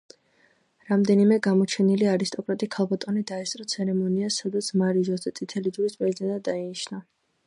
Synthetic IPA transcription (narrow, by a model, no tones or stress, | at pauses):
ɾamd̪ɛnimɛɡamɔt͡ʃʰɛniliaɾist̪ʼɔkʼɾat̪ʼikʰalˠbat̪ʼɔnid̪aɛst̪ʼɾɔt̪sʰɛɾɛmɔniasad̪at̪sʰmaɾiʒɔzɛt̪sʼit̪ʰɛlid͡ʒuɾispʼɛzid̪ɛnʼad̪ainiʃna